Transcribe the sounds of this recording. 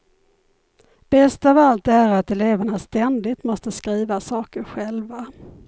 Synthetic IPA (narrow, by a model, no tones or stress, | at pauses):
b̥ɛst̪avalt̪æɾat̪ɛleːvaɳast̪ɛnd̪ɪt̪mɔst̪əskɾiːvasɑːkəɾɧɛlva